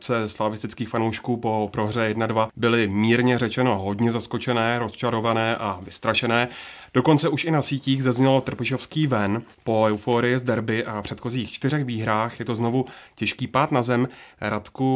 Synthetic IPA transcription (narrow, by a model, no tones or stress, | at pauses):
t͡sɛslavɪst̪ɪt͡skiːxfanowʃkuːpo̞pɾo̞ɦr̝ɛjɛdnadvabɪlɪmiːɾɲɛrɛt͡ʃɛno̞ɦo̞dɲɛzasko̞t͡ʃɛnɛːɾo̞st͡ʃaɾo̞vanɛːʔavɪst̪ɾaʃɛnɛːd̥o̞ko̞nt͡sɛʔuʃɪnasiːciːɣzazɲɛlot̪r̩pɪʃo̞fskiːvɛn | po̞ɛwfoːɾɪjɪzdɛɾbɪʔapr̥ɛt̪xo̞ziːxt͡ʃt̪ɪrɛxviːɦɾaːxjɛt̪o̞zno̞vucɛʃkiːpaːt̪nazɛmɾat̪ku